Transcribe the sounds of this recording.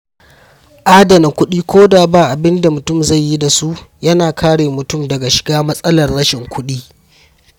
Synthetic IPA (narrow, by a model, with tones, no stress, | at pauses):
ʔaː˦dɐ˨na˨kʷʊ˦ɗiː˦kʷoː˦daː˨baː˨ʔa˨bɪ˦nda˨mʊ˨tʊ˦˨mza˦˨jːi˦da˨su˦ʔjɐ˦naː˨kʰaː˦ɽeː˨mʊ˨tʊ˦˨mdɐ˨ɡa˨ʃɪ̥˨ɡaː˦mɐ˦sʼɐ˦lɐ˨rɽɐ˦ʃɪ˨ŋkʷʰʊ˦ɗiː˦